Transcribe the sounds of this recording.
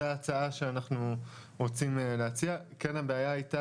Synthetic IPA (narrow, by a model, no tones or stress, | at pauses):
t͡saaʃeanaχnuʁo̞t͡simle̞at͡siakenabeajaajta